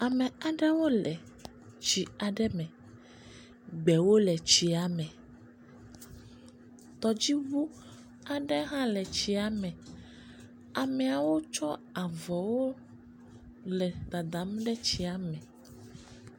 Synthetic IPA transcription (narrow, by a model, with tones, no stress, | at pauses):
a˨me˨a˨ɖɛ˦wo˦lɛ˨ | t͡ʃi˨a˨ɖɛ˦mɛ̃˨ | ɡ͡bɛ˨wo˦lɛ˨t͡ɕi˨a˨mɛ̃˨ | t̪ɔ˨d͡ʑi˦βu˦ | a˨ɖɛ˦ɦã˦lɛ˨t͡ɕi˨a˨mɛ̃˨ | a˨mɛ˨a˨wo˦t͡ʃɔ˦a˨vɔ˨wo˦ | lɛ˨d̪a˨d̪a˨˦m˦ɖɛ˦t͡ɕi˨a˨mɛ̃˨